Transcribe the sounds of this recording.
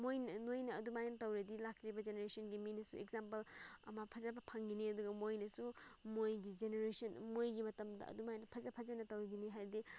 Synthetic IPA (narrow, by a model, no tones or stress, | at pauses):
mojnɐnojnɐɐdumajnɐtɐwɾɐdilakʰɾibɐd͡ʒeneɾesɔnɡiminɐsuek̚zampɐlɐ̰mɐpʰɐzabɐpʰɐŋɡiniɐduɡɐmojnɐsumojɡid͡ʒeneɾesɔnmojɡimɐtɐmdɐ̰ɐ̰dumajnɐpʰɐzɐpʰɐzanɐtɐwɾɐɡiniɦajɾdi